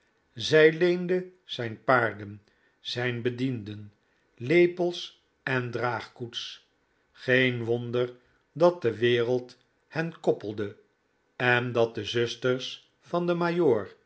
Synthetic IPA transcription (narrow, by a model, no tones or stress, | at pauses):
zɛjlejndəz̥ɛjnpaːɹdən | z̥ɛjnbədindən | lejpəlˠs | ɛndraːχkuts | χejnʋondər | dɑt̚dəʋɪːʁəlˠt | hɛnkɔpəlˠdə | ɛndɑt̚dəzøstərs | fɑndəmajoːɹ